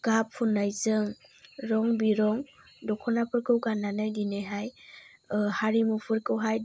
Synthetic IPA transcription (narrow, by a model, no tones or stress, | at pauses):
ɡ̥apʰːunːajzɯŋɾɔŋbiɾɔŋ | dɔkʰɔnapʰɯɾkɯwɡananɯjɡineɦaj | haɾimupʰɯɾkɯwɦaj